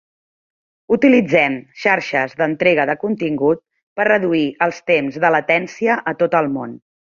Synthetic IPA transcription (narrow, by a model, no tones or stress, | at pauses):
ut̪ilid͡zɛmʃaɾʃəzðənt̪ɾɛɣ̞əðəkunt̪iŋɡut̪̚ | pərrəðuiʔəlˠst̪emzðələt̪ɛnsiəʔət̪ot̪əlˠmon